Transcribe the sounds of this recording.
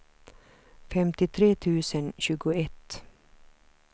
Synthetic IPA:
fɛmt̪ɪt̪ʰɾeːt̪ʰʉːsənɕʉːɡʊɛt̪

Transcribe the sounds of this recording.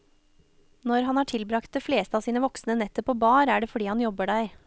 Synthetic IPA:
nɔɾhɑnæːʈʰɪlbɾɑkt̪̚d̪ɛfleːst̪əɑːsiːnəʋɔksnənɛt̪əpʰoːbɑːɾæːɖeːfɔɖiːhɑnjɔbəɖæɪ

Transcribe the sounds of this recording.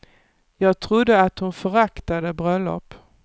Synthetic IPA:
jɑːɡ̚t̪ʰɾʊd̪ːəat̪hʊnfœɾakt̪ad̪əbɾœlːɔ̰pː

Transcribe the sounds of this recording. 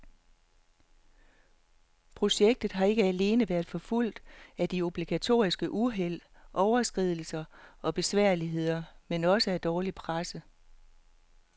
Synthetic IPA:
pʰʁo̝ɕeɡ̥̚d̥ð̞̩ˠɦɑ̈e̝ɡ̥əæle̝ːnəʋæɐðˠfɒ̽ful̰d̥æd̥io̝b̥liɡ̥æt͡sʰo̝̰ːisɡ̥əʔuɦel̰ | ʔɒʊɐsɡ̥ʁið̰ˠl̩sɐʔɒ̽b̥e̝sʋæɐ̰liɦe̝ð̞̰ˠɐmenɒ̽səæd̥ɒːlipʰʁasə

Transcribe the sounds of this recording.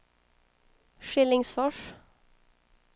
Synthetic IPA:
ʃɪlɪŋsfɔʂ

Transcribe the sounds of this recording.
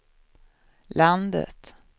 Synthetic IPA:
land̪ə̰t̪

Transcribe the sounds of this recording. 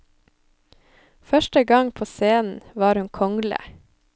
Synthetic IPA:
fœʃʈəɡɑŋpʰoːseːnn̩ʋɑːɾhʉŋkʰɔŋlə̰

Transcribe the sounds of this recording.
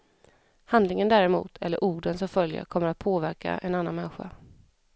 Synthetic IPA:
hand̪lɪŋənd̪æːɾɛmṵːt̪ʰɛ̰lːəɾʔuːɖənsɔmfœljə̰kʰɔmːəɾat̪̚pʰoːvæɾka̰ʔɛnanːanmɛnɧa̰

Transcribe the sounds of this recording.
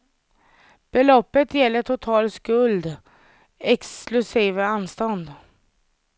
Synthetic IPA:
b̥ɛlɔpːət̪ʰjɛlːəʈʰʊt̪ʰɑːlskɵld̪ | ɛksklʉsiːvəanːst̪ɔnd̪

